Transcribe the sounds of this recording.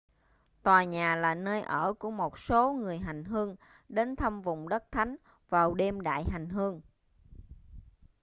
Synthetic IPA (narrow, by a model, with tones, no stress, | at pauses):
t̪waː˨˩ɲaː˨˩laː˨˩nəː˧jʔəː˧˩ku˧˩əmo˨˩t̚so˨˦ŋɨ˨˩əjɦa˨˩jŋ̟ɦɨ˧əŋ | ɗe˨˦nt̪ʰə˧mvʊ̰˧˨ŋ͡mɗə˦˥t̚t̪ʰa˨˦jŋ̟ | vaː˨˩wɗe˧mɗa̰ː˧˨jɦa˨˩jŋ̟ɦɨ˧əŋ